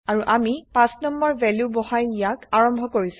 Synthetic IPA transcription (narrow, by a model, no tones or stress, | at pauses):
aɹuʔamipãsnɔmbɔɹvɛljubɔhajnijakaɹɔmbʱɔkoɹis